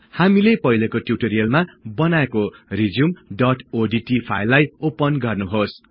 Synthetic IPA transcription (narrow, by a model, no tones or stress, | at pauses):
hamilepʌɦilekoʈjuʈoɾijʌlmabʌnaekorid͡zumɖʌʈoɖiʈipʰa̰jlːajopʌnɡʌrnuɦos